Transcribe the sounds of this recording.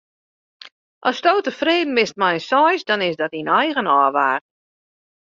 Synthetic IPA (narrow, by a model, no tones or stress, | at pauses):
ʔɔstoːtəfreːdn̩mɪst̚mɛjsɔjsdɔnɪsdɔtinɛjɣənɔːʋaːr